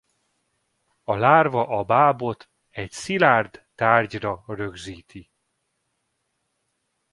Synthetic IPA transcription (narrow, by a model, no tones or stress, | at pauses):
ɒlaːrvɒʔɒbaːbo̞t̪ | ɛcsilaːrd̪t̪aːrɟrɒrø̞ɡziːt̪i